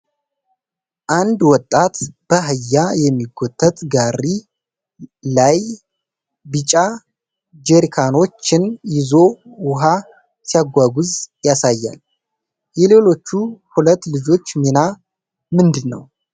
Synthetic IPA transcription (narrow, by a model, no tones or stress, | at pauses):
ʔand̪wɔt̪ʼːat̪b̥əɦɨjːajɛmːiɡot̪ʼʰːət̪ʼɡari | laj | bɨt͡ʃʼa | d͡ʒeɾikʰano̞t͡ʃːɪnjɪzo̞wʊɦa | sijaɡʷaɡuzjasajːa̰l | jɛle̞lo̞t͡ʃːuhulət̪ːlɨd͡ʒo̞t͡ʃːmina | mɨnd̪ɨnːə̰w